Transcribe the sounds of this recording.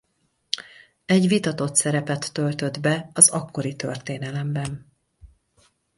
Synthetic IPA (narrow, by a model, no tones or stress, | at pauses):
ɛɟʋit̪ɒt̪o̞t̪sɛɾɛpɛt̪ːølt̪ø̞d̪bɛɒzɒkːo̞ɾit̪ø̞̰rt̪eːnɛlɛmbɛn